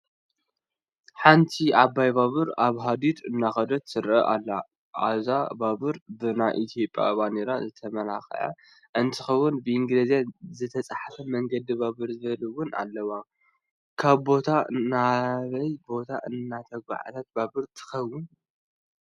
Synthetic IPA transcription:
ħant̪ʰiʔabajβaβɨɾaβɦad̪it̪ʰɨnːaxɐd̪ot̪sɨɾɐ̰ʔa̰lːa | ʔazabaβɨɾbɨnajʔit̪ʰjo̞pʼja̰βaneɾazɨt̪ʰɐmɐna̰xʕa̰ | ʔɨnt̪ʰɨxɐwːʊnbɨʔiŋɡlɐzijazɨt̪ʰɐt͡sʼaħafɐmɐŋɡɐd̪ibaβɨɾzɨβɐlɨwʊna̰lːɐwa | kʰaβbo̞t̪ʰanaβɐjbo̞t̪ʰa̰ʔɨnːat̪ʰɐɡʷa̰ʕa̰t̪ʰat̪̚baβɨɾt̪ʰɨ̥xɐwːʊn

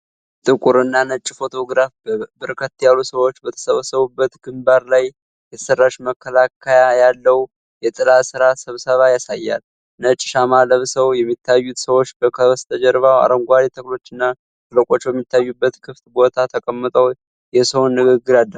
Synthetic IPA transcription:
t̪ʼɨkʼuɾɨnːanət͡ʃʼːfo̞t̪ʰo̞ɡɾafbbɨɾkʰət̪ːjalːusəwo̞t͡ʃːbət̪ʰə̥səβəsəβubːət̪ɡɨmbaɾlaj | jɛt̪ʰə̥sərːaʃməkʰːəlakʰːəjajalːəw | jɛt̪ʼɨlasɨɾasəβsəβajasajːa̰l | nət͡ʃʼːɪʃamaləβsəwjɛmːit̪ʰːajːut̪səwo̞t͡ʃːbəkʰəst̪ʰəd͡ʒɛɾβawa̰ɾəŋɡʷaɾit̪ʰəklo̞t͡ʃːɨnːa | t̪ʰɨləkʼo̞t͡ʃːbjɛmːit̪ʰːajːubːət̪kʰɨft̪bo̞t̪ʰat̪ʰəkʼəmːɨt̪ʼəw | jɛsəwnːɨɡɨɡːɨɾalːə

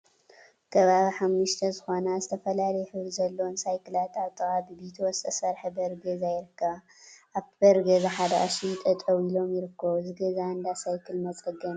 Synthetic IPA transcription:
kʰɐβaβiħamːɨʃt̪ʰɐzɨxo̞nazɨt̪ʰɐfɐlalɐjħɨβɾizɐlːownsajkʰɨlat̪aβt̪ʼɨɣʼabɨbit̪ʰwɔst̪ʼɐsɐɾħɐbɐɾɡɐzajɪɾɨkːɐβ | ʔaβt̪ʰbɐɾɡɐzaħad̪ɐʔasijt̪ʼɐt̪ʼɐwilo̞mjɪɾɨkːɐβzɨɡɐzaɨnd̪asajkʰɨlmɐt͡sʼɨɡɐn

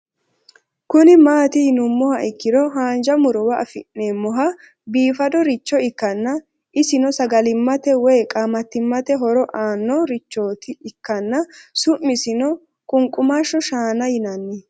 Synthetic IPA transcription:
kʊnɪmaːt̪ɪhɪnʊmːɔhɐɪkːɪdɔɦaːnd͡ʒɐmʊɾɔwɐɐfɪʔneːmːɔɦɐ | biːfɐd̪ɔɾɪt͡ʃːɔɪkːɐnːɐ | ʔɪsɪnɔsɐɡɐlɪmːɐt̪ɛwɔjkʼaːmɐt̪ːɪmːɐt̪ɛɦɔɾɔʔaːnːɔɾɪt͡ʃːo̞ːt̪ɪːkːɐnːɐsʊʔːɪsɪnɔ | kʼʊŋkʼʊmaʃɔʃaːnɐjɪnɐnːe

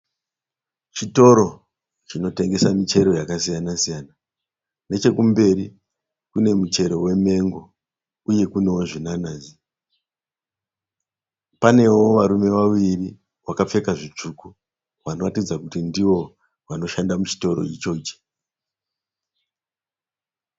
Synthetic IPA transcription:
t͡ʃito̞ɾo̞ | t͡ʃino̞te̞ŋɡe̞samit͡ʃe̞ɾo̞jakasijanasijaːna | ne̞t͡ʃe̞kumbe̞ɾi | kune̞mut͡ʃe̞ɾo̞we̞me̞ŋɡo | uje̞kune̞wo̞ʐinanaːzi | pane̞wo̞ʋaɾume̞ʋaʋiri | wakap͡fe̞kaʐit͡ʂuku | ʋano̞ratid͡zakutindiwo̞ | ʋano̞ʃandamut͡ʃi̥to̞ɾo̞̰it͡ʃo̞t͡ʃi̥

